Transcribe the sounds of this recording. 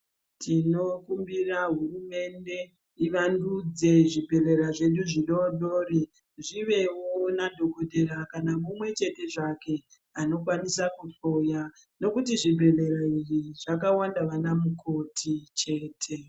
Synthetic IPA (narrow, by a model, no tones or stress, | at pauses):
tʰino̞kumbiraɦurume̞nde̞ | iʋandud͡ze̞ʐibʱe̞le̞ɾaʐe̞ɗuʐiɗo̞ɗo̞ːri | ʐiʋe̞wonadʱo̞ɡʱo̞dʱeɾakanamumwe̞t͡ʃe̞te̞ʐake̞ | ano̞k̬wanisakufoja | no̞kutiʐibʱe̞le̞ɾairiʐak̬awandaʋanamuko̞tʰit͡ʃe̞ːtʰe̞